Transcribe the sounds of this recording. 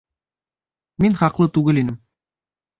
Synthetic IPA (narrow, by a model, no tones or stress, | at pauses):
minχɑqlˠɤt̪ʉɡɘlinɘm